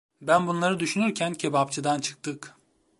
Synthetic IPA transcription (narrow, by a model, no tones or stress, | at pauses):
bænbunlˠaɾɯd̪yʃynyɾcʰæncʰebapt͡ʃʰɯd̪ant͡ʃʰɯ̥k̚t̪ʰɯk